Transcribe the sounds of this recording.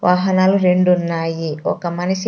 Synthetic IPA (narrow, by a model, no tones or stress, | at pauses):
ʋʔaːɦɐnaːluɾeɳɖunːaːjiɔ̰kɐmɐnisi